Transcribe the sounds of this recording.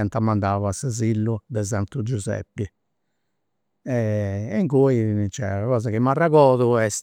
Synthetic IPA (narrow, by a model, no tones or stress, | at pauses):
ɛnt̪amːand̪aːvasazilːud̪ɛzant̪ud͡ʒuzɛ̰pːi | ɛŋkoit͡ʃɛ̰aɣɔːzaɣimːarːaɣɔːðuɛs